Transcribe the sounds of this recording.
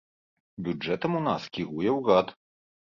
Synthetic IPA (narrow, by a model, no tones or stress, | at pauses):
bʲud͡ʐɛt̪ɐmunaskʲiɣujɛwɣat̪